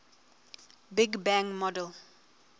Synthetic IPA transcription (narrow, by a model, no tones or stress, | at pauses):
biɡbãŋmɔdɛl